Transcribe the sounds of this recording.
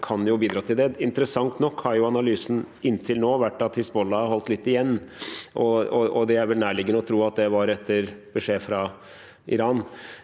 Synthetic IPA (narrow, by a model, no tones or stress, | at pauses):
kʰɑnjʊbiːd̪ɾɑːt̪ʰɪld̪ɛɪnt̪əɾəsɑŋt̪nɔkːhɑɾjʊɑnɑlyːsn̩ | ɪnːt̪ʰɪlnoːʋæʈːɑt̪hɪsbɔlːɑɦɔlt̪lɪt̪ːɪjɛnːʔɔɔɔd̪ɛæɾʋɛlnæːɭɪɡənəɔt̪ʰɾuːɑt̪̚d̪ɛʋɑɾɛt̪ʰːəɾbəʂeːfɾɑ | ɪ̰ɾɑːn